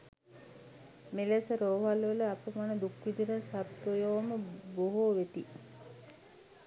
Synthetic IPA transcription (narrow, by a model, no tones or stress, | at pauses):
melesəɾoːɦalʋeləapəmanəd̪ukʋid̪iɾəsat̪wojoʋməboɦoʋet̪i